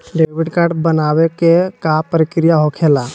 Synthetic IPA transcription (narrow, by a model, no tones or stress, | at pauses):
ɖeʋɪɖkaɾʈbənaːwekekapəɾɪkɾijaɦokʰeːla